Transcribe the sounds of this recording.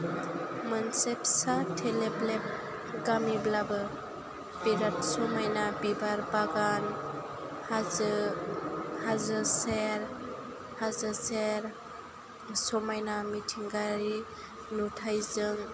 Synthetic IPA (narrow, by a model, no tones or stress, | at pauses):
mənsepsatʰeleblep̚ | ɡamiblabɯ | biɾat̚sɔmajnabibaɾbaɡan | hazɯ | hazɯseɾ | hazɯseɾ | sɔmajnamitʰiŋɡaɾi | nutʰajzɯŋ